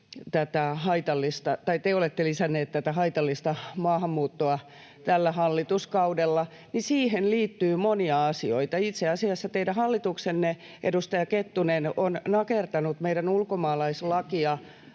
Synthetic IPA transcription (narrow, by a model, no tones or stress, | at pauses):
t̪æt̪æɦɑit̪ɑlːist̪ɑt̪ɑit̪eolet̪ːelisænːeːt̪t̪æt̪æhɑit̪ɑlːist̪ɑmɑːhɑmːuːt̪ːoɑ | t̪ælːæhɑlːit̪uskɑudelːɑ | nisiːhenliːt̪ːyːmoniɑɑsioit̪ɑit̪seɑsiɑsːɑt̪eidæhɑlːit̪uksenːe | ʔḛdust̪ɑjɑket̪ːunenonnɑkert̪ɑnut̪meijɾænulkomɑːlɑislɑkiɑ